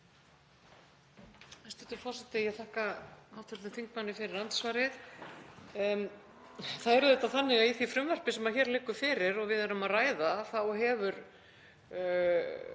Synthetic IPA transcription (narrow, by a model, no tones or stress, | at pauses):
ɛst̪ʏt̪ʏɾfɔr̥sɛt̪ɪjɛɣθaːhkakawt̪hʏɾt̪ɪmθiŋk̚manːɪfɪɾɪɾant̪svaɾɪθ | θaðɛɾʏðɛt̪aθanːɪɣaiθifɾʏmvœr̥pɪsɛmaðçɛːɾlɪːkʏ̥fɪːɾɪɾɔɣvɪðɛɾʏmaðraːjðaθawɦɛvʏɾ